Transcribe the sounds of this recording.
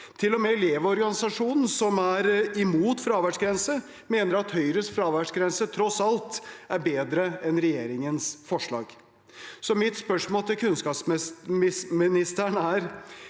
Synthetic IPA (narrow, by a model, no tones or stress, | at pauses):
t̪ʰɪlːɔmɛɪleːʋɔɾɡɑnɪsɑʂuːnn̩sɔmæɾɪmuːt̪fɾɑːʋæʂɡɾɛnsə | meːnəɾɑt̪hœʏɾəsfɾɑːʋæʂɡɾɛnsət̪ʰɾɔsɑlt̪ʔæɾbeːd̪ɾəɛnɾɛjeːɾɪŋənsfɔʂɭɑ̰ːɡ | sɔmɪt̪spœʂmoːlt̪ʰɪlkʰʉnskɑːpsmmɪmɪnɪst̪əɳæɾ